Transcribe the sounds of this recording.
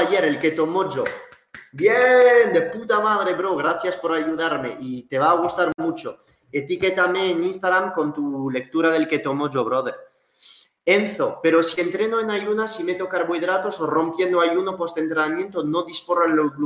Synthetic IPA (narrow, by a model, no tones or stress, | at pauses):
ʝe̞ɾelke̞t̪omo̞ʝo | bjend̪eput̪amaðɾe̞βɾoɣ̞ɾaθjaspo̞ɾaʝuð̞aɾme̞̰ʔit̪e̞βaːɣ̞ust̪aɾmut͡ʃo | et̪iket̪ameːnĩnst̪aɣɾamko̞nt̪ule̞k̚t̪uɾaðelke̞t̪o̞moʝoβ̞ɾoðe | e̞nθope̞ɾo̞sie̞nt̪ɾe̞noenaʝunasime̞t̪o̞kaɾβoiðɾat̪o̞soro̞mpje̞nd̪oajunopo̞st̪e̞nt̪ɾenamjẽ̞nt̪ono̞ðisporoenloɣlu